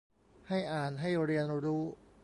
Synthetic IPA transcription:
ha˥˩jʔaː˨˩nɦa˥˩jɾi˧ənɾuː˦˥

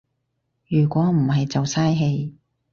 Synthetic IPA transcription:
jyː˨˩kʷɔː˨˥m̩˨˩hɐ˨jt͡sɐ˨wsaː˥jɦe˧j

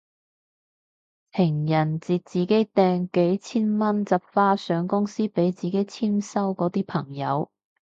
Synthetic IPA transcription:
pʰɪ˨˩ŋjɐ˨˩nt͡siː˨t̚t͡siː˨˩ke˨˥jt̪ɛː˧ŋke˨˥jt͡sʰiː˥nmɐ˥nt͡sɐ˨p̚faː˥sœː˨˥ŋkʊ˥ŋsiː˥pe˨˥jt͡siː˨ke˨˥jt͡sʰiː˥msɐ˥wkɔː˨˥t̪iː˥pʰɐ˨˩ŋjɐ˨˧˥w

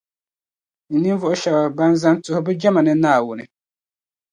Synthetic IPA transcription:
n̩˨nĩ˦n˦vʊ˨ɔ˦ɕa˨wa˨ba˦n˦zã˦n˦tʰʊ˦hʊ˦bɛ˦d͡ʒa˦mã˨nɪ̃˦na˨wʊ˨nɪ̃˨

